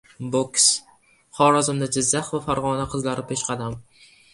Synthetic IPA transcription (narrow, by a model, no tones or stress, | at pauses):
boks | χɒːɾɒzɪmd̪ad͡ʒɪzːaχvafaɾʁɒnaqʰɨzlaɾɪpʰeʃqʰɑd̪am